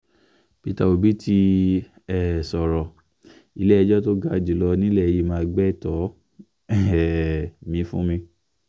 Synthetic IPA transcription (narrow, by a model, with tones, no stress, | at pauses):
pi˦ta˨o˨bi˨˦tʰi˧ | ɛ˨sɔ˨ɾɔ˨ | i˧lɛ˦ɛ˧d͡ʒɔ˦to˦ɡa˦˨d͡ʒi˨lɔ˧nĩ˦lɛ˦˨˧ji˧˦mãː˦˧ɡ͡bɛ˦˨tɔ˨˦ | ɛ˨mĩ˧˦fũ˦mĩ˧